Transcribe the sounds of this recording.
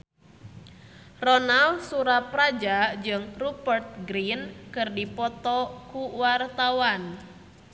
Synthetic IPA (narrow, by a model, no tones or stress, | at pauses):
rɔnalsuɾapɾad͡ʒad͡ʒɨŋrupərt̪̚ɡɾinkɨrdipɔt̪ɔkuwart̪awan